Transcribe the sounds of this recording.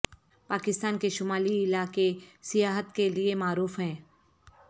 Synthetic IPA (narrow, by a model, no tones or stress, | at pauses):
paːkɪst̪aːnkeʃʊmaːliɪlakesɪjaːɦət̪keliemaːɾuːfɦɛ̃ː